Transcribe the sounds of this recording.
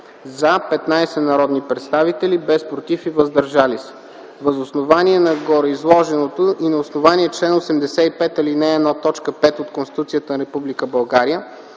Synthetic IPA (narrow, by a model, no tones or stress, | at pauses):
zapɛt̪najsɛnɐɾɔd̪nipɾɛt̪st̪avit̪ɛlibɛspɾot̪ifivəzd̪ɐɾʒalisɛ̥ | vəzosnovaniɛnɐɡɔɾɛizlˠɔʒɛnot̪oʔinɐosnovaniɛt͡ʃlɛnosɛmd̪ɛsɛipɛt̪ɐlinɛːd̪nat̪ɔt͡ʃkəpɛt̪ot̪̚konst̪it̪ut̪sijət̪ənɐɾɛpublikəbɐlˠɡaɾijə